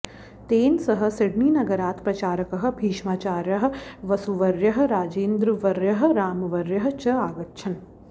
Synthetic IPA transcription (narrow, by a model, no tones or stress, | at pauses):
t̪eːnsɐɦə̆sɪɽmiːnɐɡɐɾaːt̪pɾɐt͡ʃaːɾɐkɐɦɐ̆bʱiːʃmaːt͡ʃaːɾjɐɦɐ̆ʋɐsuʋɐɾjɐɦɐ̆ɾaːd͡ʒeːnd̪ɾɨʋɐɾjɐɦɐ̆ɾaːmɐʋɐɾjɐɦɐ̆t͡ʃɐaːɡɐt̪ːʃʰɐn